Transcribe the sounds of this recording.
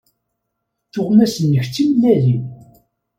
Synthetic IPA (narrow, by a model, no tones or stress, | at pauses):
θʊʁmæsənːəçt͡sːimlæði